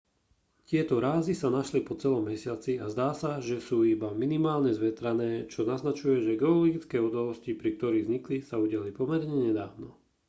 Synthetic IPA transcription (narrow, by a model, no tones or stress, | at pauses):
cɪɛt̪ɔɾaːzisanaʃlipɔt͡sɛlɔmːɛsɪat͡siazd̪aːsaʒɛsuːibaminimaːlɲɛzʋɛt̪ɾanɛːt͡ʃɔnaznat͡ʃujɛʒɛɡɛɔlɔɡit͡skɛːud̪alɔscipɾik̚t̪ɔɾiːɣzɲiklisauɟalipɔmɛɾɲɛɲɛd̪aːʋnɔ